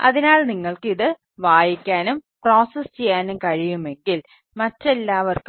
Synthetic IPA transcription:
ɐ̰ðinaːɭniŋːɐɭkɨiðɨ | ʋaːjikʲːaːnumproːsɐst͡ɕe̞jːaːnumkɐɻijumeŋɡil | mɐtːe̞lːaːʋɐrk

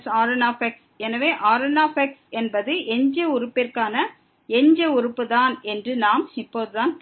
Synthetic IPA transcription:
saːɾɐnaːfɛks | ɛnɐʋeːʔaːɾɐnaːfɛksɛnbɐðɯʔɛɲd͡ʒɐʊɾɯpːɪrkaːnɐ | ɛɲd͡ʒɐʊɾɯpːɯðaːnɛndrɯnaːmɪpːoːðɯðaːnp

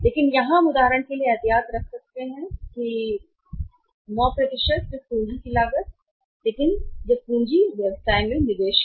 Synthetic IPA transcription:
leːkɪnjɐɦãmʊd̪aːɦəɾəɳkelieɐt̪jaːt̪ɾɐkʰsɐk̚t̪eɦɛ̃ki | mɔːpɾɐd̪ɪʃət̪̚d͡ʒɐpũːɲd͡ʒikilaːɡət̪̚ | leːkɪnjɐkũːɲd͡ʒiʋjɐʋsaːemẽnɪd̪eːʃ

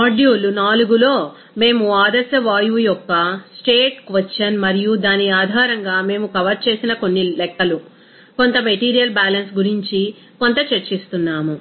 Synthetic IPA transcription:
aːɖijuːlunaːluɡulo̞ː | me̞ːmuaːd̪ɐsjɐʋaːjuːjɔkːɐsʈeːʈkʋɐʈːt͡ʃːɐnmɐɾijud̪aːnːiaːd̪ʱaːɾɐŋɡaːme̞ːmukɐʋɐɾt͡ʃe̞ːsinɐko̞nːilɛkːɐlu | ko̞nt̪ɐme̞ʈiːɾijɐlbaːlɐnsɡuɾiɲt͡ʃi | ko̞nt̪ɐt͡ʃeɾt͡ʃist̪unːaːmu

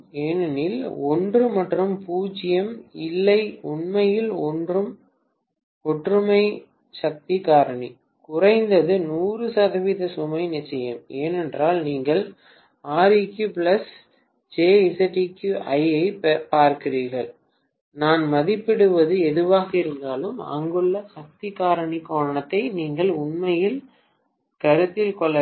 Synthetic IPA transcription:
eːnɐnɪlɔndrɯmɐʈrɯmpuːt͡ʃɪjɐmɪlːɐɪʊɳmɐjɪlɔndrɯm | ɔʈrɯmɐɪ | sɐk̚t̪ikaːɾɐɳi | kʊrɐɪnd̪ɐðɯnuːrɯsɐɣɐʋiðɐsʊmɐɪnɪt͡ʃːɐjɐ̰meːnɛndraːlniːŋɡɐɭ | aːɾikjupɪlɐs | d͡ʒeːɛsɐʈikjuʔɐɪɐɪpaːɾkɪriːɾɣɐɭ | naːnmɐðɪpːɪɽɯʋɐðɯɛðɯʋaːɣɐɪɾɯnd̪aːlɯmɐ̰ŋɡɯɭːɐsɐk̚t̪ɪkaːɾɐɳikoːɾɐɳɐt̪ːɐɪniːŋɡɐɭʊnmɐjɪl | kɐɾɯt̪ːɪlkɔɭːɐ

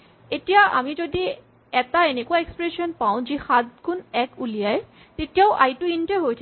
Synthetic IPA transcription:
etijaʔa̰mid͡ʑod̪i | ɛt̪aenekuaekspɾeʃonpaw̃d͡ʑixad̪̚ɡunɛkulijae | t̪etijaʊʔa̰jʈuinʈeɦojt̪ʰ

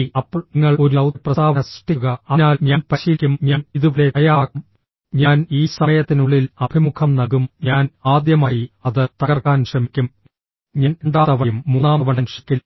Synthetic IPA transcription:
ɐpːŋːɐɭo̞ɾɐwprɐaːʋɐnɐsʈiɣɐɐnaːlɲaːnpɐɕijkʲːumɲaːniðuʋleɐjaːm | ɲaːniːsɐmɐjɐt̪ːinuɭːilɐb̥ʱimukʰɐmnɐɣumɲaːnaːd̪jɐmaːjiɐðɨt̪ɐɣɐrkaːnʂrɐmikʲːum | ɲɐnuɳɖaːðɐʋɐjumːunaːmɐʋɐɳɖɐmʂi̥kʲːi

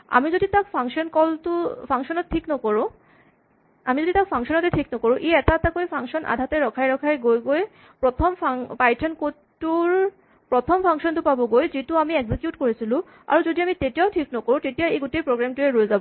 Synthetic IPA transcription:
a̰mid͡ʑod̪it̪akfaŋʃɔnkɔltupʰaŋʃɔnɔttʰiknokɔɹo | amid͡ʑod̪it̪akfʰaŋʃɔnɔt̪etʰiknokoɾoʔeɛt̪at̪akoepʰaŋʃɔnʔa̰d̪ʱat̪eɾɔkʰajɾɔkʰajɡojɡoe | pɾot̪ʰomapajʈʰenko | uɾ | pɾot̪ʰomfʰaŋʃɔnt̪upaboɡojd͡ʑituamieɡzikjuʈkoɾet͡ɕʰilu | a̰ɾud͡ʑod̪iamitetiaʊʈʰiknokoɾoʈetijaeɡuʈepɾoɡɾamtueɾoezabo

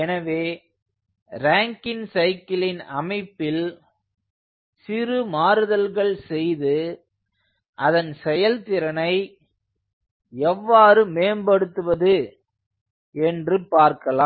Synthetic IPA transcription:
ɛnɐʋeː | ɾaːŋkɪnsɐɪkɪlɪnɐmɐɪpːɪl | sɪrɯmaːɾɯðɐlɣɐɭsɛjðɯ | ʔɐðɐnsɛjɐlt̪ɪɾɐnɐɪ | ɛʋːaːɾɯmeːmbɐɽɯt̪ːɯʋɐðɯ | ɛndrɯpaːɾkɐlaː

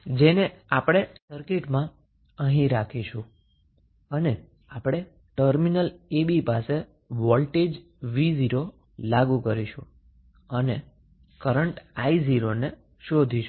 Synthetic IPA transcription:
d͡ʒeneapɽ̃esəɾkiʈmã | ə̃ɦĩɾakʰiʃũ | əne | apɽ̃e | ʈəɾminəlebipase | ʋɔlʈed͡ʒ | ʋiziɾo | laɡukəɾiʃũ | əne | kəɾəɳʈaiziɾone | ʃod̪ʱiʃu̥

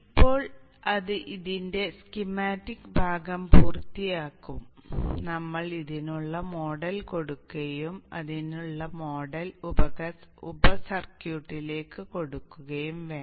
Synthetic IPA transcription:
ipːo̞ːɭ | ɐðɨʔiðinde̞skimaːtːikbʱaːɡɐmpuːrt̪ːijaːkːumnɐmːɐɭiðinuɭːɐmo̞ːɽɐlko̞ɽukːɐjumɐ̰ðinuɭːɐmo̞ːɖɐlubɐɐṵbɐsɐrkjuːʈːile̞ːkːɨko̞ɽukːuɣɐjumʋeːɳ

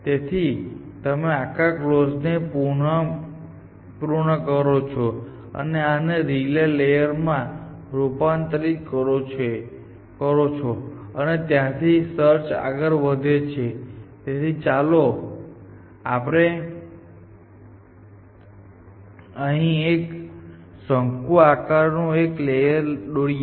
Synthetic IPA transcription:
t̪et̪ʰit̪əmeakaklosnepu | puɾɳəkəɾot͡ʃʰo | ə̰neaneɾilelejəɾmã | ɾupant̪ɾikəɾot͡ʃe | kəɾot͡ʃʰoənet̪jãt̪ʰisəɾt͡ʃa̰ɡəɾʋəd̪ʱet͡ʃʰet̪jãt̪ʰit͡ʃalo | apɽ̃e | əɦĩek | səŋkuakaɾnũeklejəɾɗoɽi

